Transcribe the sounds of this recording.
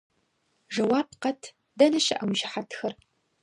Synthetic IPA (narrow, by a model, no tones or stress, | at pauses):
ʐɐwaːp̚qɐtʰ | dɐnɐɕɪʔɐwʒɪħatʰxɐr